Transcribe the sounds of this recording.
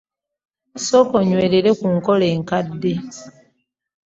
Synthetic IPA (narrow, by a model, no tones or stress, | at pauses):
so̞koɲweːleɾe̞kuŋko̞leːŋkadːe